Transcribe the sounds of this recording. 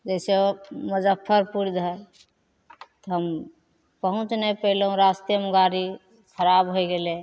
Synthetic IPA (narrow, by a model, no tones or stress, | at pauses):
d͡ʒɛɪseməd͡ʒəpʰːəɾpuɾd̪ʱɦɛ | t̪ɔɦəm | pəɦũt͡ʃnepəleɦũɾast̪ijəməɡaɾi | kʰəɾabɦojɡele